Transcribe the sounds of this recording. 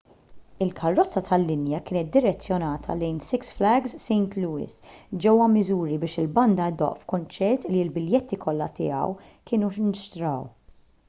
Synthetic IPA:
ɪlkʰɐrːɔt͡sːɐt̪ʰɐlːɪnjɐkɪːnɛt̪̚d̪ɪɾɛt͡sːjɔnɐːt̪ʰɐ̰lɛjnsɪksflɛɡzsɛjnt̪luːɪ̰sd͡ʒɛwːɐmɪzuːɾibɪːʃɪlbɐnd̪ɐd̪ɔ̰ʔfkʊnt͡ʃɛɾt̪lilbɪljɛt̪ːikʰɔlːɐt̪ɪ̰ːɐ̰w | kɪːnuʃnɪʃt̪ɾɐw

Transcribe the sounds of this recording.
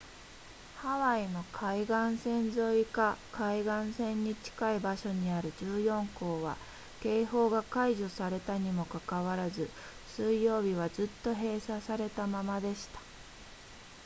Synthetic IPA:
haβaino̞kʰaiɡãɰ̃sẽ̞nzo̞ikakaiɡãɰ̃sẽ̞ɲ̟ːit͡ɕi̥kaibaɕo̞ɲ̟iaɾɯ̟d͡ʑɨːjõ̞ŋko̞ːβa̰ | ke̞ːɦo̞ːɡakaiʑo̞saɾe̞t̪aɲ̟imo̞kakaβaɾazɨ | sɨijːo̞ːbʲiβ̞azɨt̪ːo̞ɦe̞ːsasaɾe̞t̪amamad̪e̞ɕi̥t̪ḁ

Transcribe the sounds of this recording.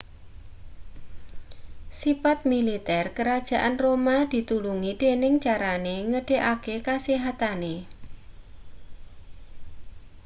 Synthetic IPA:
sipat̪̚milit̪ɛrkəɾad̥ʒ̥a̤ʔanromad̪̥i̤t̪uluŋid̪̥enɪŋt͡ʃaɾaneŋəɖ̥e̤ʔakekaseɦat̪ane

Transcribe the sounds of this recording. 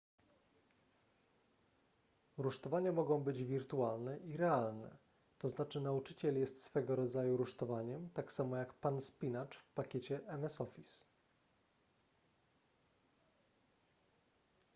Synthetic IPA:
ɾuʂt̪ɔvaɲamɔɡɔ̃w̃bɘd͡ʑvʲiɾt̪ualnɛʔiɾɛalnɛ̰ | t̪ɔznat͡ʂɘnaut͡ʂɘt͡ɕɛljɛst̪sfɛɡɔɾɔd̪zajuɾuʂt̪ɔvaɲɛmt̪aksamɔjakpanspʲinat͡ʂfpakʲet͡ɕɛʔɛmɛsɔfʲis

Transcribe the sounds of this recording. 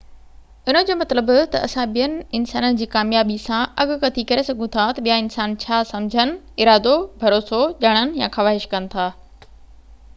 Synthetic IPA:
ʊn̤ə̆d͡ʑoːmɐt̪ləbt̪ɐɐsãɓijənɪ̆ɪnsaːnənɪ̆d͡ʑiːkaːmjaːbisãɐɡkɐt̪ʰikɐɾesɐɡʱũt̪ʰat̪ɐɓijaɪnsaːnt͡ɕʰaːsɐmd͡ʑʱənɪ̆ | ɪɾaːd̪obʱɐɾoːsoʄɐɽ̃ənɪ̆jãxɐʋaːɦɪʃkɐnɪ̆t̪ʰaː

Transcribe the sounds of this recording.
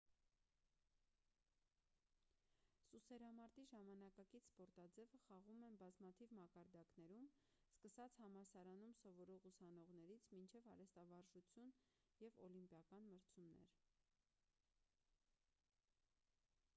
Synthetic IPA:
susɛɾɑmɑɾt̪iʒɑmɑnɑkɑkit͡sʰspɔɾt̪ɑd͡zɛvəχɑʁumɛnbɑzmɑt̪ʰivmɑkɑɾd̪ɑknɛɾum | skəsɑt͡sʰhɑmɑsɑɾɑnumsɔvɔɾɔʁusɑn̪ɔʁnɛɾit͡sʰmint͡ʃʰɛvɑɾɛst̪ɑvɑɾʒut͡sʰjun | jɛvɔlimpjɑkɑnməɾt͡sʰumnɛ̰ɾ

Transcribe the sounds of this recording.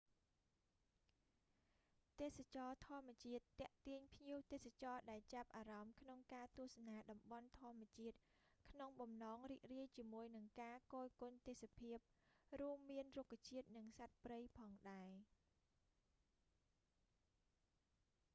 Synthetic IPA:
t̪eːsat͡ɕɑːt̪ʰŏəmːɛ̆ət͡ɕiət̪ːɛ̆əʔt̪iəɲpʰɲiəwt̪eːsat͡ɕɑːɗaɛlt͡ɕap̚ʔaːɾɑmkʰnoŋkaːt̪uəhsanaːɗɑmɓɑnt̪ʰŏəmːɛ̆ət͡ɕiət̪̚kʰnoŋɓɑmnɑːŋriːk̚riəjt͡ɕiəmuəjnɨŋkaːkoːlkʊnt̪eːsapʰiəp̚ruəmːiənrukʰːat͡ɕiət̪̚nɨŋsat̪̚prəjpʰɑːŋɗaɛ

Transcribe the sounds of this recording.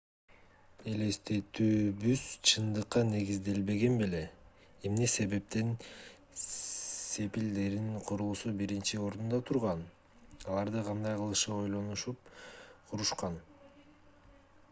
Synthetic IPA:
e̞le̞st̪e̞t̪yːbyz̥t͡ʃʰɯnd̪ɯqːɑne̞ɡizd̪e̞lbe̞ɡe̞nbele̞ | emne̞se̞βe̞p̚t̪e̞n | se̞pild̪e̞ɾiŋqʰoɾulˠusubiɾint͡ʃio̞ɾd̪und̪ɑt̪ʰuɾʁɑn | ɑlˠɑɾd̪ɑqʰɑnd̪ɑjqʰɯlˠɯʃɯo̞jlˠo̞nuʃup̚qʰuɾuʃqɑn

